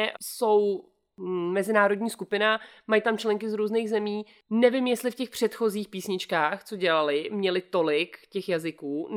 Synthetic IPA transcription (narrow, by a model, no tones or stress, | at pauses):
so̞w | mɛzɪnaːɾo̞dɲiːskupɪnamajit̪amt͡ʃlɛŋkɪzɾuːzneːɣzɛmiː | nɛvɪmjɛst̪lɪfcɛxpr̥ɛt̪xo̞ziːxpiːsɲɪt͡ʃkaːxt͡so̞ɟɛlalɪmɲɛlɪt̪o̞lɪkcɛxjazɪkuː